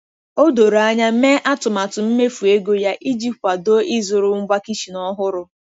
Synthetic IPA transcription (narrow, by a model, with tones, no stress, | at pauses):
o˦do˨ɾa˦ɲa˦me˦ʔa˦tʊ˨ma˨tʊ˨m̩˦me˦fu˨e˦ɡo˦ja˦ʔi˦d͡ʒi˦p̚ka˨do˦ʔi˦zʊ˨ɾʊ˨ŋ̩˦ɡ͡bʷa˦ki˦ʃi˨nɔ˦ɦʊ˦ɾʊ˦